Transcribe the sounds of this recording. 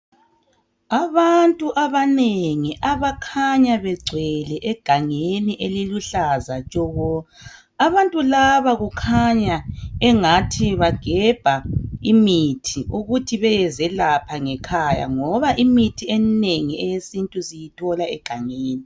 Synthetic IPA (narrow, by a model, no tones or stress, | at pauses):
aβantʼuʔaβaneŋiʔaβakʰaɲaβɛɡ͡ǀʱwɛlɛʔɛɡ̥ʱaŋeniʔeliluɬazat͡ʃʼɔɣɔ | aβantʼulaβaɣukʰaɲaɛŋatʰiβaɡ̥ʱɛb̥ʱaimitʰiʔuɣutʰiβɛjɛzɛlapʰaŋɛkʰaja̰ŋɔβaʔimitʰiɛneŋiɛjesintʼusijitʰɔlaɛɡ̥ʱaŋeːni